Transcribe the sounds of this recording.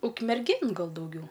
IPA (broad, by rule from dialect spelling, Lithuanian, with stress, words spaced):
ʊkmʲɛrʲˈɡʲeːn ˈɡɐlˠ dɐʊˈɡʲɛʊ